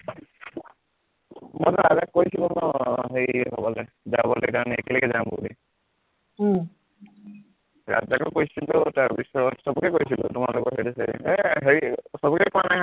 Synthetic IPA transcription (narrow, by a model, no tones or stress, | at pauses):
mojtaɹazakːojsilʊnɔɦeɹiɦɔ̰bɔlɛ | zabɔlɛkaɹɔnɛekɛlaɡɛzamṵlḭ | ɹa̰d͡ʒakɔkojsiltʊtaɹbisɔtsɔbɔkɛkojsilʊ̰tʊmalʊkɔɦeɹiseɹḭeɦeɹisɔbɔkɛkɔanaa